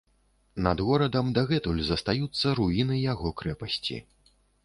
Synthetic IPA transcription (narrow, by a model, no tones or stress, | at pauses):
nɐd̪ɣɔɾɐd̪ɐmd̪aɣɛt̪ulʲzɐst̪ajut̪sːɐɾuinɨjaɣɔkɾɛpɐsʲt͡sʲḭ